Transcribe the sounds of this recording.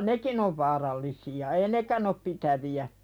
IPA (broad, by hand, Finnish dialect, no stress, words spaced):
nekin oʋ ʋɑːrɑlːisiɑ ei nekæn op pitæʋiæ